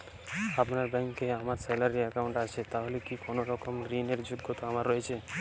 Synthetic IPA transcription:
apnaɾbɛŋkːeamaɾsɛlaɾiɛkawɳʈat͡ɕʰet̪aɦolekikonoɾɔkomɾineɾd͡ʑoɡːot̪oamaɾːɔjet͡ɕʰe

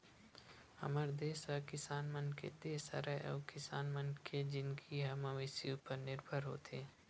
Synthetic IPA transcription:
hɐ̰məɾd̪eːsəkɪsaːnmənkḛd̪eːsə̰ɾaʔɔ̰ːkɪsaːnmənkʰed͡ʒɪnkʰiɦɐmɐʋɪsiupəɾnɪɾbʱəɾɦo̰ːt̪ʰeː

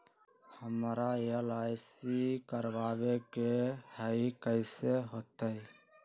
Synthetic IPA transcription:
həmɾajəlaːjsikəɾʋaːbekehəikəɪseɦoːt̪əi

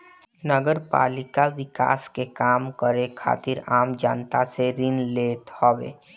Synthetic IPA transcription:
nəɡəɾpa̰ːlɪkaʋɪka̰ːskekaːmkəɾekʰa̰ːt̪ɪɾaːmd͡ʒa̰ːnt̪aseɾɪnleːt̪hɔːwḛː

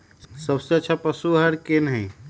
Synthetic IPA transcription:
səbseətːt͡ʃʰapəsuɦəɾkenɦə̃ɪ

